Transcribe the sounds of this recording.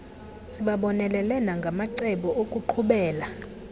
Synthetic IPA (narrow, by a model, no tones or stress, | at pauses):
siɓaɓɔnɛlɛlɛnaŋɡʱamaǀɛɓɔʔokʼuǃʰuɓɛːla